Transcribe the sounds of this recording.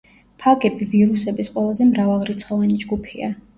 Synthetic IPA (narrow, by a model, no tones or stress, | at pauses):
pʰaɡɛbiviɾusɛbisqʼwɛlˠazɛmɾavalˠɾit̪sʰχɔvɛnid͡ʒɡupʰia